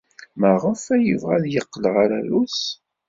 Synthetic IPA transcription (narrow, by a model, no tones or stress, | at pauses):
məʁəfæjəvʁæðjəqːlʁaɾælus